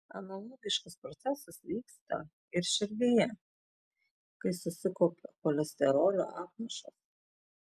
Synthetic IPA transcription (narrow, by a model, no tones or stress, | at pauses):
ɐ̰nɐlˠɔɡʲɪʃkɐspɾɔt̪sʲæsɐsʋʲiːkst̪ɐ̰ | ɪɾʃʲɪɾʲd̪ʲejɛ | kɐɪsʊsʲɪkoːpʲɛkɔlʲɛsʲt̪ʲɛɾoːlʲo̰ʔaːp̪̚mɐʃɐ̰s